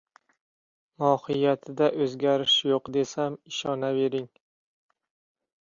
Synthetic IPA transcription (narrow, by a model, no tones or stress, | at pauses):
mɒhɪjat̪ʰɪd̪aʔɵzɡʲaɾɪʃjoqd̪e̞samɪʃɒnabe̞ɾɪŋ